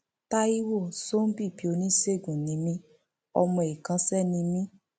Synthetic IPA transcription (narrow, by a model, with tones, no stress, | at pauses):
ta˦i˦wo˦˨so˦m̩˦bi˦˨pi˨˦o˧nĩ˦se˦˨ɡũ˨nĩ˨˧mĩ˧˦ | ɔ̰˧mɔ̃˧˨e˨kã˨˧sɛ˦˨nĩ˧mĩ˦